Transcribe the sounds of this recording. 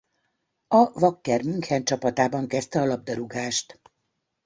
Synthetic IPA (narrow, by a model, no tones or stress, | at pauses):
ɒvɒkːɛrmyŋkhɛnt͡ʃɒpɒt̪aːbɒŋkɛst̪ɛɒlɒb̚d̪ɛɾuɡaːʃt̪